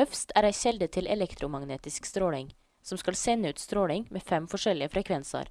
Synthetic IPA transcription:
œfst̪ʰæːɾæɪçɛld̪ət̪ʰɪlɛ̰lɛkt̪ɾʊmɑŋneːt̪ɪskst̪ɾoːlɪŋ | sɔmskɑlsɛnːəʉːt̪st̪ɾoːlɪŋmeːfɛmfɔʂɛlɪəfɾɛkʰʋɛnsə̰ɾ

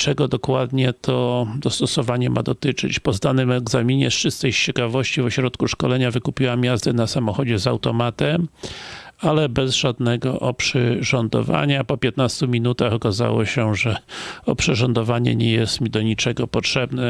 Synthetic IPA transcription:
t͡ʂɛɡɔd̪ɔkwad̪ɲɛt̪ʰɔd̪ɔst̪ɔsɔvaɲɛmʔa̰d̪ɔt̪ɘt͡ʂɘ̰t͡ɕpɔzd̪anɘmɛɡzamʲiɲɛ̰sʂɨst̪sɛjt͡ɕɛkavɔɕt͡ɕivɔɕɾɔt̪kuʂkɔlɛɲavɘkupʲiwamjazd̪ɛnasamɔxɔd͡ʑɛzawt̪ɔmat̪ɛm | alɛbɛzʐad̪nɛɡɔʔɔpʂɘʐɔnd̪ɔ̰va̰ɲapɔpʲjɛt̪nast̪umʲinut̪axɔkaza̰wɔɕɛʐɛɔpʂɛʐɔnd̪ɔvaɲɛ̰ɲɛjɛst̪mʲid̪ɔɲit͡ʂɛɡɔpɔtʂɛbnɛ

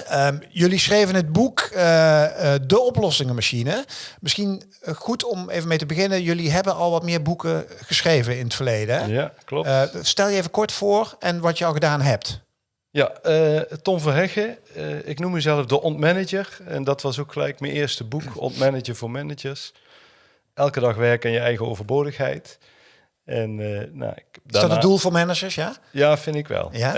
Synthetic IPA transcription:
əjɵlisxrejvənɦəd̚buk | dəɔplɔsɪŋəmaʃinəmɪsxin | χutʰɔmejvəmejtəbəɣɪnəjɵliɦɛbənɑlˠʋɑtmɪːɹbukəɣəsxrejvənɪnətfərlejdəjaklɔstɛlˠjəejvəkɔɹtfʊːrɛnʋɑtjəɑlˠɣədaːnɦɛp̚t | jaətɔmvɑnɦɛxə | ɪknumːəzɛləfdəʔɔntmɛnɪd͡ʒəɹɛndɑtʋɑsokxəlɛ̰jkmənʔɪːɹstəbukɔ̰ntmɛnəd͡ʒəɹvʊːɹmɛnɪd͡ʒəɹs | ʔɛlˠkədɑxʋɛɹkanjəɛjɣəo̰wvəɹboːdəxɦɛ̰jt | ɛnna̰ɪdadɑtədulˠvʊːɹmɛnəd͡ʒəɹsjajaːfɪndɪkʋɛ̰lˠja

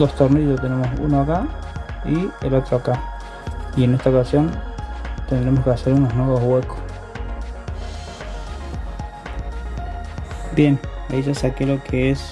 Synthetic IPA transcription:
d̪ost̪oɾneot̪e̞ne̞mo̞sṵnoakaielo̞t̪ɾoaka | iene̞st̪aokasjo̞nt̪e̞nd̪ɾemo̞skease̞ɾuno̞znwe̞βo̞zwe̞ko̥s | bje̞naiʒasakelo̞kʰees

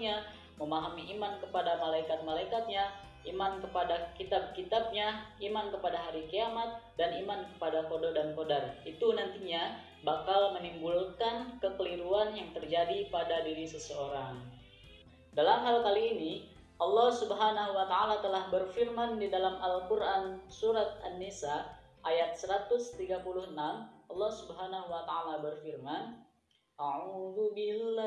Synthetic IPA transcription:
ɲa | məmaɦamiʔimankəpadamalaikat̪̚malaikat̪̚ɲa | imankəpadakit̪ab̚kit̪ab̚ɲaimankəpadaɦaɾikiamat̪̚danimankə̥padakododankodarit̪unant̪iɲa | bakalmənimbulkankəkəliɾuanjaŋt̪ərd͡ʒadipadadiɾisəsəoɾaŋ | dalamɦalkaliːni | ʔɑlːɔhsubəɦanaɦuwat̪aalat̪əlahbərfirmandidalamalkurʔansuɾat̪̚ʔanːisa | ʔːjat̪̚səɾat̪ʊst̪iɡapulʊhənamɑlːɑhsubɦanaɦuwat̪aalabərfirman | ʔaʕuðubil

